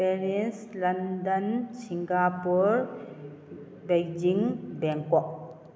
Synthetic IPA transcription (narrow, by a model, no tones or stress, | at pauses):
peɾenslɐndɐnsiŋɡapuɾ | bejd͡ʒiŋbeŋkɔk̚